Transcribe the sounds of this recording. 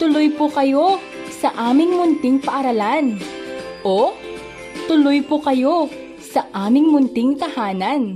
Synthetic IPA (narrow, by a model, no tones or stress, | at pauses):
t̪ʊlojpʊkɐjo̞ | sɐʔaːmɪŋmʊnt̪ɪŋpɐʔɐɾɐlanʔo | t̪ʊlojpʊkɐjo̞ | sɐʔaːmɪŋmʊnt̪ɪŋt̪ɐhaːnɐn